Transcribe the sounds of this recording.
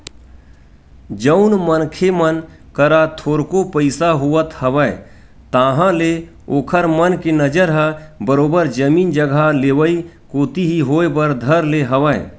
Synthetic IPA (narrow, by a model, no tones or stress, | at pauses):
d͡ʒəʊnmənkʰemən | kəɾat̪ʰoːɾkopəɪsaɦuət̪həʋəe | t̪aːɦãle | oːkʰəɾmənkenəd͡ʒəɾɦə̃bəɾoːbəɾd͡ʒəmiːnd͡ʒəɡʱaleːwəi | koːt̪iɦiɦoːebəɾd̪ʱəɾleɦəʋə̰